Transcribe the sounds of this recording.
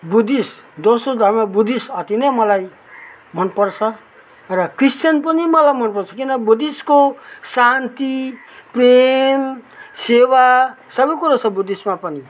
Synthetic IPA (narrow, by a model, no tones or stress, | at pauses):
bud̪isd̪osod̪ʱʌrmabud̪isʌt̪inemʌlaj | mʌnpʌrt͡sʰʌ | rʌkrist̪jʌnpʌnimʌlajmʌnpʌrt͡sʰʌkinʌbud̪iskosant̪i | premsewasʌbʌjkuɾat͡sʰʌbud̪ismapʌni